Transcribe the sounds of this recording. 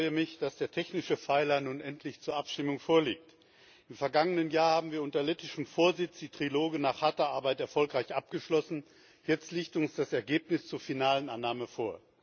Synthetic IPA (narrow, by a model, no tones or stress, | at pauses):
fʁɔʏjəmɪçd̥asd̥eːɐtʰɛçnɪʃəfaɪlɐnuːnʔɛntʰlɪçt͡suːɐʔapʃtɪmʊŋfoːɐlḭːk̚t | ʔɪmfɛɐɡaŋənənjaːɐhaːbm̩viːɐʔʊntɐlɛtɪʃəmfoːɐzɪt͡sd̥iːtʁ̥iloːɡənaːχhatɐʔaɐbaɪtɛɐfɔlkʁaɪçʔap̚ɡ̥əʃlɔsn̩ | jɛt͡stliːçtʊnsd̥asɛɐɡeːpnɪst͡suːɐfinaːlənʔanːaːməfoːɐ